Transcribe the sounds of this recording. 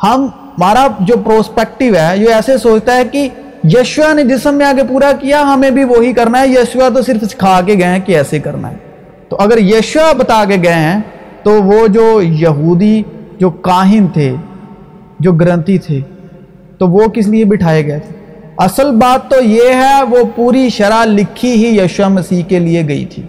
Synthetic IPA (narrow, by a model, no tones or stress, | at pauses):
hɐm | maːɾad͡ʒoːpɾoːspɛːk̚ʈɪʋɦɛːjoɛːsesoːt͡ʃt̪aɦɛki | jəːʃʋaned͡ʒɪsəmːẽaːɡepuːɾakijaɦɐmẽbʱiʋoːɦikɐɾnaɦɛjəːʃʋat̪̬osɪɾəfskʰaːk̬eɡɐeɦɛ̃kiɛːsekɐɾna̰ɦɛ̰ː | t̪oʔɐɡəɾjeːʃʊabɐt̪aːk̬eɡɐeɦɛ̃ː | t̪oʋoːd͡ʒoːjɐɦuːd̪id͡ʒoːkaːɦɪnt̪ʰḛː | d͡ʒoːɡəɾə̃nt̪it̪ʰeː | t̪oʋokɪs̬lɪebɪʈʰaːeɡɐet̪ʰeː | ɐsəlbaːt̪ːojeːɦɛʋoːpuːɾiʃɐɾalɪkʰiɦijəːʃamɐsiːkelieɡɐḭt̪ʰḭː